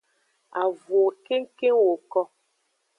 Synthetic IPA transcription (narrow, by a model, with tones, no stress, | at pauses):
a˨vo˨ke˦ŋ˦ke˦ŋwo˨kɔ˦